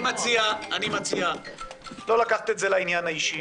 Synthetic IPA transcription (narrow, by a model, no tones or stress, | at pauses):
mat͡siaanimat͡sia | lo̞lakaχt̪etzelainjanhaiʃi